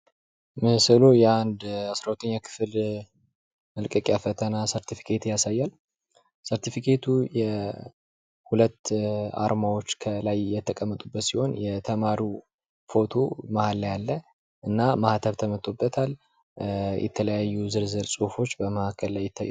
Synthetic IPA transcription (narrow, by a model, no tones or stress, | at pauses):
mɨsɨlojɛand̪asɾawut̪ʰəɲːakʰɨ̥fl | məlkʼəkʼjafət̪ʰənasəɾt̪ʰifi̥kʰet̪jasajːal | səɾt̪ʰifikʰe̞t̪ʰujɛ | hulət̪ːa̰ɾmawo̞t͡ʃːkʰəlajjɛt̪ʰːəkʼəmːət̪ʼubːət̪siho̞njɛt̪ʰəmaɾu | fo̞t̪ʰo̞mahalːjalːə | ʔɨnːamaht̪ʰəβt̪ʰəmət̪ʼːobːət̪ʰal | jʔɛ̰t̪ʰələjajːuzɨɾzɨɾsʼuhfo̞t͡ʃːbəməhakʰːəllajːɪt̪ʰːaj